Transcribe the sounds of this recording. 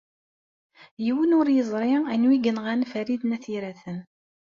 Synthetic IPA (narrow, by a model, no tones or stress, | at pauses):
jiwənʊɾjəzˤɾˤɪænwiɡənʁænfæɾiðnæθiɾæθən